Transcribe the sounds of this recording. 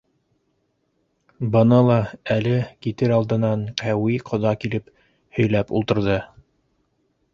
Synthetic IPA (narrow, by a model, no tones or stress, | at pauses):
bɤ̆nɤlˠɑælɘkit̪ɘɾɑlˠd̪ɤ̆nɑɴqæwiqʰŏðɑkilɘp | hɵ̆jlæpṵlˠt̪ɤ̆ɾðɤ